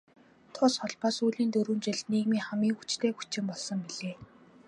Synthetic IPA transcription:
t̪ʰʊsχɔɮpaːsuːɮiːnt̪ɵɾuːnt͡ɕɪ̆ɮniːɣmiːŋχamiːkut͡ɕt̪ʰeːxut͡ɕɪ̆mpɔɮsɞ̆ŋpiɮeː

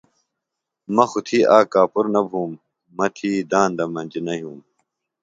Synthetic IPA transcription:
mɐxut̪ʰiːʔaːkaːpuɾnɐbʱuːmː | ɐt̪ʰiːd̪aːnd̪ɐmɐnd͡ʑinɐɦjuːm

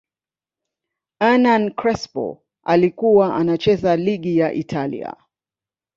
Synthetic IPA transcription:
anankɾɛspɔ̰ | alikuwaʔanat͡ʃɛzaliɠijaʔḭtʰalḭa̰

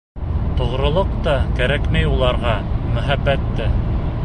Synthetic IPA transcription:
t̪ŏʁɾŏlˠɤq̚t̪ɑkæɾækmæjulˠɑɾʁɑmɵ̆ɦæbːæt̪ːɘ

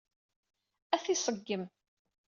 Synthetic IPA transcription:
æθisˤəɡːəm

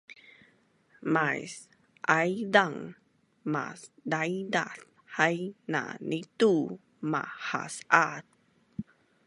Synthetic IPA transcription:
majs | ʔajdaŋ | ma̰sdajdaɬ | hajna̰nitu | ma̰ha̰sat̚

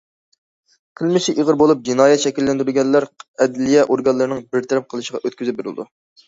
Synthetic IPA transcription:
kʲʰilmɪʃiʔiʁəɾbolˠup̚d͡ʒinɑːjɛt̪ʃɛkʲilːɛnd̪ɪɾɪɡʲɛnlːæɾɛd̪lijɛʔoɾɡɑnlːˠɨɾɨnɨŋbɪɾt̪ʰɛɾɛp̚qʰəlˠɨʃəʁɑʔøt̪̚kʲyzɪp̚beɾɪlɨ̰d̪u

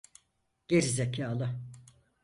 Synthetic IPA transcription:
ɟ̥eɾizecʰaːlˠɯ

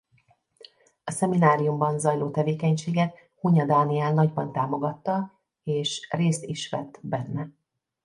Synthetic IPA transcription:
ɒsɛminaːɾijumbɒnzɒjloːt̪ɛveːkɛɲʃeːɡɛt̪̚ | huɲɒd̪aːniɛlnɒɟbɒnt̪aːmo̞ɡɒt̪ːɒ | eːʃreːst̪iʃʋɛt̪ːbɛnːɛ

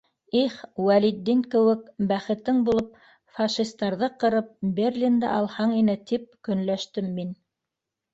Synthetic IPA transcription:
iχwælid̪ːiŋkɘ̆wɘk̚bæχɘ̆t̪ɘŋbulˠɤp̚ | fɑʃist̪ɑɾðɤqɤ̆ɾɤp̚bʲerʲlʲind̪æ̰ʔɑlˠhɑɴinɘt̪ip̚kɵ̆nlæʃt̪ɘmːin

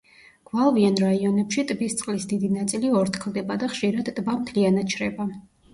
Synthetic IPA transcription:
ɡ̥valˠvianɾaiɔnɛpʃit̪ʼbist̪sʼqʼlisd̪id̪inat̪sʼiliɔɾt̪ʰkʰld̪ɛbad̪aχʃiɾad̪t̪ʼbamt̪ʰlianat̪̚t͡ʃʰɾɛba

